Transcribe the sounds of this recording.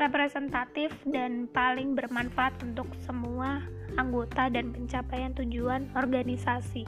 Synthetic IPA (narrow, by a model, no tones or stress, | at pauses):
repɾesɛnt̪at̪ɪfdanpalɪŋbərmanfaʔːt̪unt̪ʊksəmuaː | ŋɡot̪adanpəɲt͡ʃapajant̪ud͡ʒuanɔrɡanisasi